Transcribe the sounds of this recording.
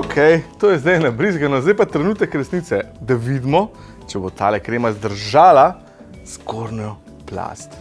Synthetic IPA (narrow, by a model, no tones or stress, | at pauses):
okʰɛjt̪oːjɛzd̪ajnabɾizɡanɔzd̪ajpat̪ɾɛnuːt̪ɛkɾɛsniːt̪sɛd̪aʋid̪mɔ | t͡ʃɛbot̪ʰa̰ːlɛkɾeːmazd̪əɾʒaːla | skʰoɾnɔ | pla̰st̪